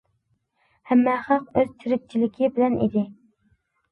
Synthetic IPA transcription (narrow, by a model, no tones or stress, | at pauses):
hæmːɛχɑqøz̥t͡ʃ̪ʰiɾɪk̚ʲt͡ʃʰilɪkʲʰɪbɪlɛnḭd̪ɪ